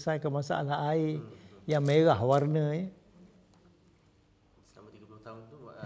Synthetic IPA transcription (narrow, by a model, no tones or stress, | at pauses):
sajkəmasa̰ʔa̰laaijaŋmeɣahwarnəjə